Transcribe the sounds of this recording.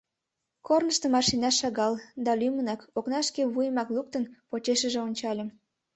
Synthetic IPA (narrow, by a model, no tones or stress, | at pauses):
kornəʃt̪ə̆mɑrʃinɑʃɑɣɑld̪ɑlʲymənɑkoknɑʃkeβujəmɑkluk̚t̪ənpot͡ɕeʃəʒĕonʲt͡ɕɑlʲə̆m